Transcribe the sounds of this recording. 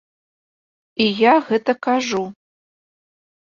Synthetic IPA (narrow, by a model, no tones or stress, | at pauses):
ijaɣɨtʰʼɐkʰaʐu